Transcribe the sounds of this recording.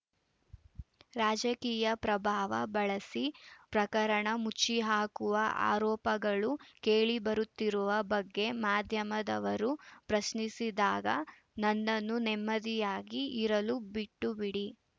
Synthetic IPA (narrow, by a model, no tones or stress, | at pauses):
ɾaːd͡ʒɐkiːjɐpɾɐbʱaːʋɐ̰bɐɭɐsipɾɐkɐɾɐɳɐmut͡ʃːiɦaːkuʋɐʔa̰ːɾɔːpɐɡɐɭukeːɭibɐɾut̪ːiɾuʋɐbɐɡːe̞maːd̪ʱjɐmɐd̪ɐʋɐɾupɾɐsnisid̪aːɡɐ | nɐnːɐnːunɛmːɐd̪ijaːɡiiɾɐlubiʈːubiɽi